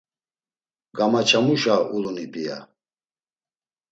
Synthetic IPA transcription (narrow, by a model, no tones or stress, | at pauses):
ɡamat͡ʃʰamuʃaʔulunibija̰